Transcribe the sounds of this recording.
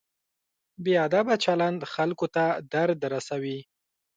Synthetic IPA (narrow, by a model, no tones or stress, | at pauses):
beɑd̪abat͡ʃaland̪xalkot̪ad̪aɾd̪ɾasawi